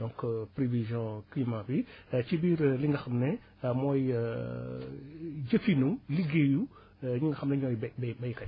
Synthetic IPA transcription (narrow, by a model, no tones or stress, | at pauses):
dɔ̃ŋkpɾevizjɔ̃klimabit͡ʃibiːɾliŋɡɐxɐmnɛ | mɔj | ɟəfinuliɡeju | ɲiŋɡɐxɐmnɛɲɔːjbbbɐjkɐ